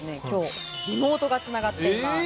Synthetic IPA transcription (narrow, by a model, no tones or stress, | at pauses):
nekʲo̞ːɾʲimo̞ːt̪o̞ɡatt͡sɨnaɡat̪ːeima